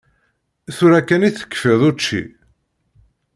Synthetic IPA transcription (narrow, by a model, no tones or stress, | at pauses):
θʊɾækːæniθə̥kːfiðˤʊt͡ʃːḭ